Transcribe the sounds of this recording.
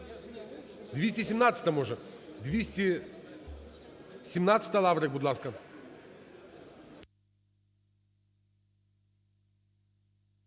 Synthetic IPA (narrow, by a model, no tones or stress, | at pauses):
d̪vʲesʲtʲisʲɪmnat̪sɨ̥t̪ɐmoʐəd̪vʲisʲt̪ʲi | sʲɪmnat̪sɨ̥t̪alˠavɾəkbʊd̪laskə